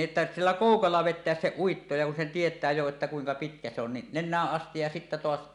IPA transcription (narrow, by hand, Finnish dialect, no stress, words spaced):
ʔetːæ silːæ koˑukɑlːɑ ʋetˑeæs se uitːo jɑ kun sen tietˑæː jo etːæ kuiŋkɑ pitkæ se on ni nenˑæːʔ ʔɑstij jɑ sitːæ toɑs